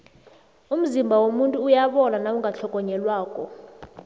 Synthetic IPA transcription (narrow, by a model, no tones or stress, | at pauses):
um̩zimbʱawomuntʼuːjaɓɔnanauŋɡʱaɬʰɔk̬ʼɔɲɛlwaːkʼɔ